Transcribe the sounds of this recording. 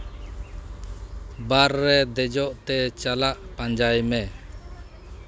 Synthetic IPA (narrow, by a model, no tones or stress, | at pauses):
baɾːɛd̪ɛd͡ʒɔʔt̪ɛt͡ʃalaʔpaɲd͡ʒajmɛ